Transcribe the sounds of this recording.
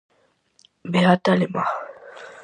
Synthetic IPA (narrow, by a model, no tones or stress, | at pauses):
beɦatalema